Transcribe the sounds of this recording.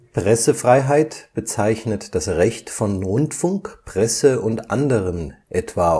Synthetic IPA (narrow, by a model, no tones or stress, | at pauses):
pʁ̥ɛsəfʁ̥aɪɦaɪtb̥ət͡saɪçnətd̥asʁɛçtfɔnʁʊntfʊŋkpʁ̥ɛsəʊntʔandəʁənʔɛtv̥aː